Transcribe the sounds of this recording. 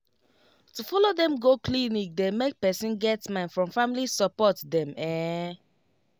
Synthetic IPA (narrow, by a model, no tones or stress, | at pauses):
tufɔlodɛ̃mɡoklinik̚demek̚pɛsĩnɡɛtmãɪnfɹɔ̃mfamilisɔpɔtdɛ̃mɛ